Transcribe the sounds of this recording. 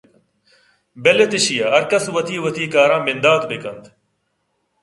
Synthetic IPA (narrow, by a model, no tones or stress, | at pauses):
belet̪ɪɕijaɐɾkɐswɐt̪iːʋɐt̪iːkaːɾãːmɪnd̪aːt̪bekɐnt̪